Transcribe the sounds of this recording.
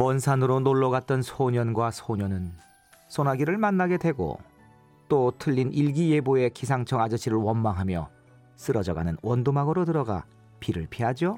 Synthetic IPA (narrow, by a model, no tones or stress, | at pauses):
wʌnsʰanɯɾonoɭːʌɡat̚t͈ʌnsʰoɲʌnɡwasʰoɲʌnɯn | s͈ʰonaɡiɾɯɭmanːaɡe̞dwe̞ɡo̰ | t͈otʰɯʎːinʔiɭɡije̞boe̞kʰisʰaŋt͡ɕʰʌŋad͡ʑʌɕʰiɾɯɭwʌnmaŋɦamjʌ | s͈ɯɾʌd͡ʑʌɡa̰nɯnwʌndomaɡɯɾodɯɾʌɡa̰ | piɾɯɭpʰiɦad͡ʑo